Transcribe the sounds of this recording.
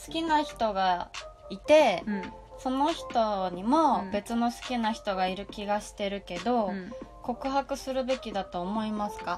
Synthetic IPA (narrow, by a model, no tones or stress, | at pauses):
sɨ̥kʲinaçi̥t̪o̞ɡait̪e̞ | so̞no̞çi̥t̪o̞ɲ̟imo̞be̞t͡sɨno̞sɨ̥kʲinaçi̥t̪o̞ɡaiɾɯ̟kʲiɡaɕi̥t̪e̞ɾɯ̟ke̞d̪o̞ko̞kɯ̟ɦakɯ̟sɨɾɯ̟be̞kʲid̪at̪o̞ːmo̞imasɨ̥ka